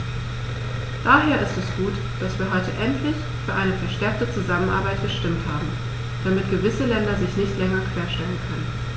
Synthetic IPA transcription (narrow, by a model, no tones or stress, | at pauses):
d̥aːɦeːɐʔɪstɛsɡ̥uːt | d̥asv̥iːɐɦɔʏtəʔɛntʰlɪç | fyːɐʔaɪnəfɛɐʃtɛɐk̚tət͡suzamənʔa̰ɐbaɪt̚ɡ̥əʃtɪmthaːbm̩ | d̥amɪtɡ̥əvɪsəlɛndɐzɪçnɪçtlɛŋɐkʰv̥eːɐʃtɛlənkʰœnən